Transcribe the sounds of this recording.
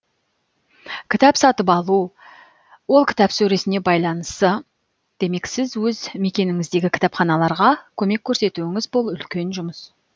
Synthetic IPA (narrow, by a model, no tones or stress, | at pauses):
kʲʰɪt̪ɑpsɑt̪əpɑlˠu | wo̞lˠkʲʰɪ̥t̪ɑpsɵɾe̞sɪne̞bɑjlˠɑnəst̪ə | d̪̥e̞me̞ksɪzwɵzme̞kʲe̞nɪŋɪzd̪e̞ɡʲɪkʲʰɪ̥t̪ɑpχɑnɑlˠɑɾʁɑkʲʰɵme̞kʲʰːɵɾse̞t̪uɪŋɪzbo̞lˠʏlkʲe̞nʒʊməs